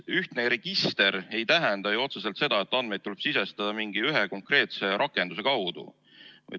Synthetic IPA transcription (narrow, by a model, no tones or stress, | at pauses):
yht̪neɾe̞ɡ̥ist̪e̞ɾe̞jt̪æɦɛnd̪̥ɑjuo̞t̪sese̞lt̪se̞d̪̥ɑe̞t̪ːˑɑnd̪me̞jd̪t̪ːulɛb̥sisest̪ɑd̪̥ɑmiŋɡ̥iyɦe̞ko̞ŋkˑrɾe̞ːt̪se̞ɾɑkːˑe̞nd̪use̞kɑwd̪ṵ | vɤ̰